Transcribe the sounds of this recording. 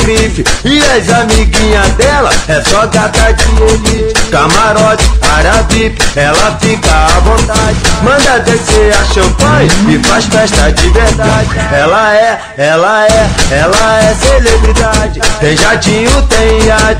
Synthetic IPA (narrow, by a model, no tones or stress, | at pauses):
kɾifiɪazamiɡĩɲɐd̪ɛlɐ̰ɛsɔkat̪ad͡ʒioit͡ʃkamaɾɔt͡ʃi̥aɾavipiɛlɐfikɐavõt̪ad͡ʒɪmɐ̃nd̪ad̪eseɾaʃɐ̃mpɐ̃ɲɐɪfasfɛʃt̪ɐd͡ʒɪveɾd̪ad͡ʒɪɛlɐɛ | ɛlɐɛɛlɐɛselebɾid̪ad͡ʒɪt̪ẽj̃ʒaɾd͡ʒĩɲʊt̪ẽj̃a